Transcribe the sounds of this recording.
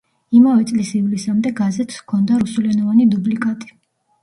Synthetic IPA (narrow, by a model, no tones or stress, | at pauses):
imavɛt̪sʼlisivlisamd̪ɛɡazɛt̪ʰskʰɔnd̪aɾusulɛnɔvanid̪ublikʼat̪ʼi̥